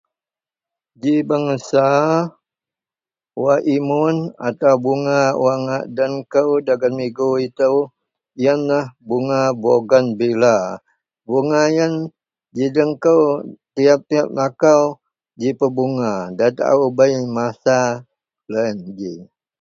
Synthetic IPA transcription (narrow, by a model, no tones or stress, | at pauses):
d͡ʒibəŋəsa | waʔimʊna̰t̪awbuŋawaŋaʔdəŋkəwdaɡanmiɡuit̪əw | jənlahbuŋaboɡanbila | buŋajən | d͡ʒidəŋkəwt̪iap̚t̪iap̚nakaw | d͡ʒipəbuŋadat̪a̰ʔa̰ubəjmasa | lənd͡ʒi